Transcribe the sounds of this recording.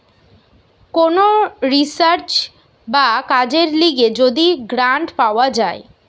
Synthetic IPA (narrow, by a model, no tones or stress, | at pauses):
konoɾisaɾt͡ɕ | bakad͡ʑeɾliɡed͡ʑod̪iɡɾaɳɖpaoad͡ʑae